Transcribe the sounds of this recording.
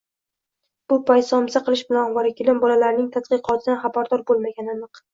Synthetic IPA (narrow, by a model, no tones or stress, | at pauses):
b̥ʊpʰajt̪sɒmsaqʰɨlˠɪʃbɪlanɒvaɾɪkʲɪlɪmbɒlalaɾnɪŋt̪ʰat̪̚qɨqʰɒt̪ʰɪd̪anχabaɾd̪ɒɾbolˠmaɡʲananɨq